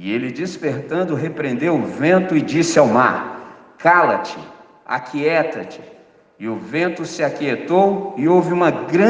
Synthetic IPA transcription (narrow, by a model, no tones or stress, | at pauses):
ɪelɪd͡ʒispeɾt̪ɐ̃nd̪ʊɦepɾẽnd̪ewʊvẽnt̪ʊɪd͡ʒisɪawma̰ɾ | kalɐt͡ʃɪ̰ | a̰kʰiɛt̪ɐt͡ʃɪ̥ː | ʊvẽnt̪ʊsɪakiet̪owɪowvɪũmɐɡɾɐ̃